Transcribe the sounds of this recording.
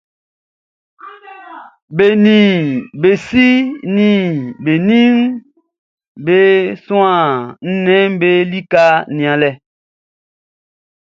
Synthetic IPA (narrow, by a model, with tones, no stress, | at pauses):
be˨nĩ˨be˨si˦nĩ˨be˨nĩ˦ŋ | be˦sũ˦ã˨n̩˦nɛ̃˦m˦be˦li˦ka˦nĩ˨ã˨lɛ˨